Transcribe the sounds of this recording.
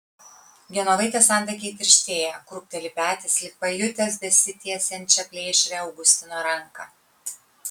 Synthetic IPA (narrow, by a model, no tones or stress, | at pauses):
ɡʲɛnolˠɐɪt̪ʲɛsɑːˑnʲd̪ʲɛk̬ʲɛɪt̪ʲɪɾʲʃʲt̪ʲeːjɛkɾʊp̚ʲt̪ʲɛlʲɪpʲæːt̪ʲɛslʲɪpɐjʊt̪ʲɛs̬b̪ʲɛsʲɪt̪ʲiɛsʲɛnʲˑt͡ʃʲɛpʲlʲeːʃʲɾʲɛɐʊɡʊsʲt̪ʲɪnoːɾɐŋkɐ